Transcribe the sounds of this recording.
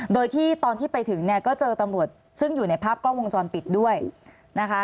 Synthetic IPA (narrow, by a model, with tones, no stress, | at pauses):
doː˧jt̪ʰiː˥˩t̪ɔː˧nt̪ʰiː˥˩pa˧jt̪ʰɯ˩˦ŋni˥˩ɐkɔː˥˩t͡ɕɤː˧t̪a˧mɾu˨˩ət̪̚ | sɯ˥˩ŋjuː˨˩na˧jpʰaː˥˩p̚klɔː˥˩wo˧ŋt͡ɕɔː˧npi˨˩t̪̚du˥˩əj | na˦˥kʰa˦˥